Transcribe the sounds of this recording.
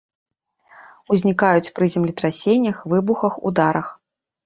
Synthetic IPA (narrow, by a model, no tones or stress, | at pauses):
uzʲnʲikajut͡sʲpɾɨzʲɛmlʲit̪ɾasʲenʲːɐxvɨbuxɐxṵd̪aɾɐx